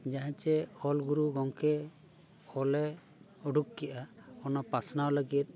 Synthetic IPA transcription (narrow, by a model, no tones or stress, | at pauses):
d͡ʒaɦɛ̃t͡ʃɛɔlɡuɾuɡɔŋkɛ | ɔlɛ | ɔɖukːɛʔaɔnɔpasʰnawləɡit̪̚